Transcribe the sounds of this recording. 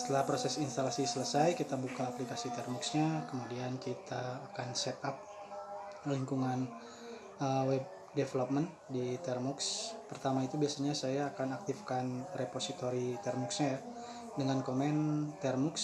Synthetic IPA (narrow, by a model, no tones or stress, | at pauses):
sə̥t̪əlahpɾosɛsinst̪alasisələsajkit̪abukaːplikasit̪ɛrmuksɲakəmudiankit̪aːkansɛt̪ap̚ | liŋkuŋan | əwɛb̚ | defelop̚mən | dit̪ɛrmukspərt̪amait̪ubiasaɲasajaːkanak̚t̪ifkanreposit̪oɾit̪ɛrmuksɲaja | dəŋankomɛnt̪ɛrmuks